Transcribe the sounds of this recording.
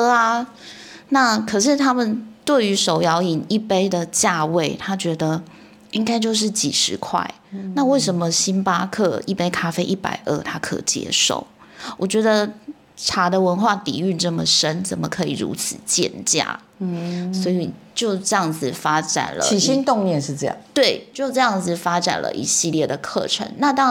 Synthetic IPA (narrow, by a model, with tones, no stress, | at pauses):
a˧ | na˥˩kʰə˨˩ʂɻ̩˥˩t̪ʰa˥mə˨nt̪we˥˩ɪy˧˥ʂo˨˩ʊjɑ˧˥ʊi˨˩ni˥˩pe˥ɪd̪ə˨t͡ɕja˥˧we˥˩ɪt̪ʰa˥t͡ɕɥɛ˧˥d̪ə˨˧ | i˥ŋka˥ɪt͡ɕjo˥˧ʊʂ̬ɻ̩˥˩t͡ɕḭ˨˩ʂɻ̩˧˥kʰwa̰˥˩ɪna˥˧we˥˩ɪʂə˧˥nmə˨ɕi˥npa˥kʰɤ˥˩i˥˩pe˥ɪkʰa˥fe˥ɪʔi˥˩pa̰˨˩ɪʔə̰˞˥˩t̪ʰa˥kʰɤ̰˨˩t͡ɕjɛ̰˥ʂo̰˥˩ʊwɔ˨˩t͡ɕɥɛ˧˥d̪ə˧ | ʈ͡ʂʰa˧˥d̪ə˨wə˧˦˥nxwa˥˩t̪ḭ˨˩y˥˧nʈ͡ʂɤ˥˩mə˨ʂə˦˥nt͡sə˨˩nmə˩kʰɤ˧˥ḭ˨˩ɻṵ˧˥t͡sʰɹ̩˨˩t͡ɕjɛ̰˥˧˨nt͡ɕja̰˥˩ | swɔ˧˥i˨˩t͡ɕjo˥˩˧ʊʈ͡ʂɤ˥˧jɑ˥˩ŋd͡zɹ̩˨˩fa˥ʈ͡ʂa̰˨˩nlə̰˧˦i˨˩ɕi˥nt̪o˥˧ŋnjɛ˥˨nʂɻ̩˥˧ʈ͡ʂɤ˥˩jɑ̰˥˩t̪we˥˩ɪt͡ɕjo˥˧ʊʈ͡ʂɤ˥˧jɑ˥˩ŋd͡zɹ̩˨˩fa˥ʈ͡ʂa̰˨˩nlʔə̰˧˦ʔḭ˧˥˩ɕi˥˧ljɛ˥˩d̪ə˨˩kʰɤ̰˥˩ʈ͡ʂʰə̰˧˦nna˥˧t̪ɑ˥